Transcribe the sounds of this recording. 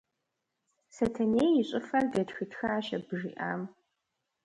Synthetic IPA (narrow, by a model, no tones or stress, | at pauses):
sɐtʰɐneːjɪɕʷʼɪfɐrɡɐtxɨtʰxaːʃɐbɨʐḭːʔa̰ːm